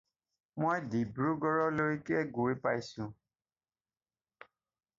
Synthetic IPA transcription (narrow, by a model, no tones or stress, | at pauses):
mojdibɹuɡɔɹɔloikɛɡuipajsʊ̃